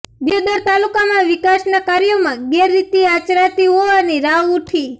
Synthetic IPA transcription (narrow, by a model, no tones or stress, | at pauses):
bjod̪əɾt̪alukamãʋɪkasnakaɾjomãɡɛɾːit̪iat͡ʃɾat̪iɦoʋaniɾaʋuʈʰi